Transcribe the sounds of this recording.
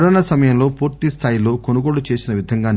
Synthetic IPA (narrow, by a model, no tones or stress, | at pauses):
ɽoːnasɐmɐjɐmlo̞ːpuːɾt̪ist̪ʰaːjilo̞ːko̞nuɡo̞ːɽut͡ʃe̞ːsinɐʋid̪ʱɐŋɡaːn